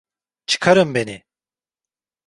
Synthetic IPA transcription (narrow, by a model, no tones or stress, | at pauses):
t͡ʃʰɯ̥kʰaɾɯmbeni